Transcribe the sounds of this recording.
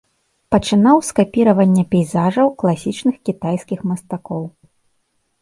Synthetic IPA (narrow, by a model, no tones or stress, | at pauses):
pɐt͡ʂɨnawskapʲiɾɐvɐnʲːɐpʲɛjzaʐɐwklˠasʲit͡ʂnɨxkʲit̪ajskʲixmɐst̪akɔw